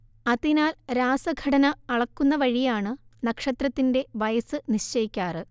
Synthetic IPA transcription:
ɐðinaːlɾaːsɐɡʱɐɽɐnɐːɭɐkːunːɐʋɐɻijaːɳɨnɐkʂɐt̪rɐt̪ːinde̞ʋɐjɐsɨniɕt͡ɕɐjikʲːaːrɨ

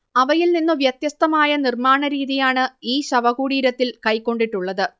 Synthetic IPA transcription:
ɐʋɐjilninːuʋjɐt̪jɐst̪ɐmaːjɐnirmaːɳɐɾiːðijaːɳɨiːɕɐʋɐɣuːɽiːɾɐt̪ːilkɐjkːo̞ɳɖiʈːuɭːɐðɨ

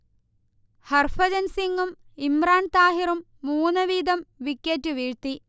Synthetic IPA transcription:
hɐrfɐd͡ʑɐnsiŋɡumimraːnt̪aːɦirumːuːnːɐʋiːd̪ɐmʋikʲːeːtːɨʋiːɻt̪i

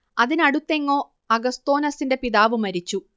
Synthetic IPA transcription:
ɐðinɐɽut̪ːe̞ŋːo̞ː | ɐɡɐst̪o̞ːnɐsinde̞piðaːʋɨmɐɾit͡ɕːu

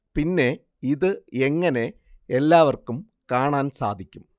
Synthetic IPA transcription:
pinːe̞ | iðɨeŋːɐne̞ | elːaːʋɐrkum | kaːɳaːnsa̰ːd̪ʱikʲːum

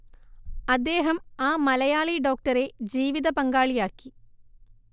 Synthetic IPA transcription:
ɐd̪ːe̞ːɦɐmaːmɐlɐjaːɭiɖo̞ːk̚ʈɐɾe̞d͡ʑiːʋiðɐpɐŋɡaːɭijaːkːi

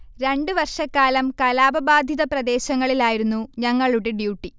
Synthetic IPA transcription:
ɾe̞ɳɖɨʋɐrʂɐkːaːlɐmkɐlaːbɐbaːd̪ʱjiðɐprɐd̪e̞ːɕɐŋːɐɭilaːjiɾunːuɲɐŋːɐɭuɽeɖjuːʈːi

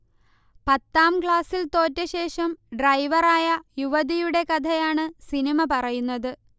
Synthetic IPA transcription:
pɐt̪ːaːmkɭaːsilt̪o̞ːtːɐɕe̞ːʂɐmɖrɐjʋɐraːjɐjuʋɐðijuɽe̞kɐd̪ʰʱɐjaːɳɨsinimɐpɐrɐjunːɐðɨ

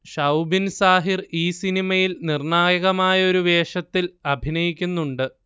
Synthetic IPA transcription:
ʂɐwbinsaːɦiriːsinimɐjilnirɳaːjɐɣɐmaːjɐo̞ɾuʋe̞ːʂɐt̪ːilɐbʱinɐjikʲːunːuɳɖɨ

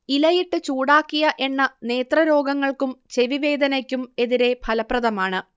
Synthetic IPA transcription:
ilɐjiʈːɨt͡ɕuːɽaːkːijɐʔe̞nːɐne̞ːt̪rɐɾo̞ːɡɐŋːɐɭkumt͡ɕe̞ʋiʋe̞ːd̪ɐnɐkʲːume̞ðiɾe̞bʱɐlɐprɐðɐmaːɳɨ

